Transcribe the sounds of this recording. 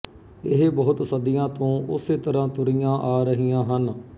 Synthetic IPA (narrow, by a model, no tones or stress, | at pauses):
ɪɦbəʊt̪səd̪ɪjãːt̪õːʊseːt̪əɾãːt̪ʊɾijãːʔaːɾəɦijãːɦən